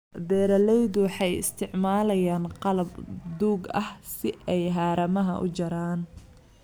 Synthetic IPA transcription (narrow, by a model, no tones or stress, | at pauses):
bɛːɾɐlɛjðʊwħɑjɪ̰st̪ʰɪʕmaːlɐjaːnqɑlɐbd̪uːɡɐhsɪʔɛjɦaːɾɐmɐɦɐ̰ʔʊ̰t͡ʃɐɾaːn